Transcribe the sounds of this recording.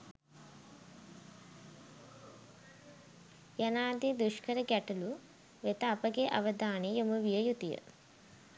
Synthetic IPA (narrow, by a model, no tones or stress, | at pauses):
janaːd̪id̪uʃkəɾəɡæʈulu | ʋet̪əːpəɡeʔaʋəd̪aːnejomuʋijəjut̪ijə̰